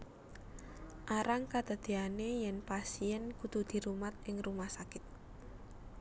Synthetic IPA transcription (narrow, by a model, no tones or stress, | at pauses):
ʔaɾaŋkad̪̥ə̤d̪̥e̤anejɛnpasiɛnkud̪ud̪̥i̤ɾumat̪̚ʔɪŋrumahsakɪt̪̚